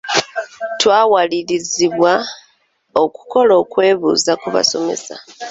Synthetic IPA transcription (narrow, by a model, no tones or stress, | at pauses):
twaːwaliɾiziβwa | o̞ku̥ko̞lo̞ːkwe̞ːβṵːzakuβa̰so̞me̞̰sa̰